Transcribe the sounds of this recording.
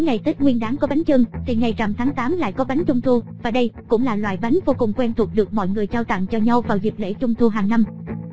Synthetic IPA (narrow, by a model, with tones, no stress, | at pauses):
jŋa˨˩jt̪i˦˥k̚ŋwi˧ənɗaː˨˦ŋkɔ˨˦ɓa˨˦ŋ̟t͡ɕɨ˧ŋt̪ʰi˨˩ŋa˨˩jt͡ɕa˨˩mt̪ʰaː˨˦ŋt̪aː˨˦mla̰ː˧˨jkɔ˨˦ɓa˨˦jŋ̟t͡ɕʊ˧wŋ͡mt̪u˧vaː˨˩ɗə˧jkʊ̰˧˥ŋ͡mlaː˨˩lwa̰ː˧˨jɓa˨˦jŋ̟vo˧kʊ˨˩ŋ͡mkwɛ˧nt̪ʰu˨˩ək̚ɗɨ˨˩ək̚mɔ̰˧˨jŋɨ˨˩əjt͡ɕaː˧wt̪a̰˧˨ŋt͡ɕɔ˧ɲa˧wvaː˨˩wzi˨˩p̚lḛ˧˥t͡ɕʊ˧ŋ͡mt̪u˧ɦaː˨˩ŋna˧m